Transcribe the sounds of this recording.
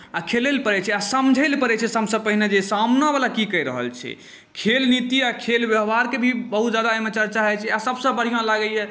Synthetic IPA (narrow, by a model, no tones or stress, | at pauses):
akʰelelpəɾɛt͡ʃʰɛasəmd͡ʒʱəlpəɾɛt͡ʃʰɛsəbsə̃pəɦined͡ʒesamnabalakikəjɾə̰ɦə̰lt͡ʃʰɛ̰ | kʰelnit̪iakʰelbjəɦbaɾkebʱibəɦut̪d͡ʒad̪aemət͡ʃaɾt͡ʃaɦɛt͡ʃʰɛasəbsə̃bəɽ̤ijãlaɡəjɛ